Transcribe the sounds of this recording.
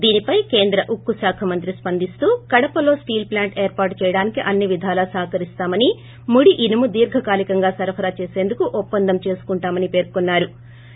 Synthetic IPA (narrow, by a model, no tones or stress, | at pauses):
d̪iːnipɐjke̞ːnd̪ɾɐʔukːusaːkʰɐmɐnt̪ɾispɐnd̪ist̪uːkɐɽɐpɐlo̞ːsʈiːlplaːɳʈeːɾpaːʈt͡ʃɛːjɐɽaːnikiʔɐnːiʋid̪ʱaːlɐsaːkɐɾist̪aːmɐni | muɽiʔinɐmud̪iːɾɡʱɐkaːlikɐŋɡaːsɐɾɐpʰɐɾaːt͡ʃe̞ːse̞ːnd̪ukuʔɔpːɐnd̪ɐmt͡ʃe̞ːsu̥kuɳʈaːmɐnipe̞ːɾkonːaːɾu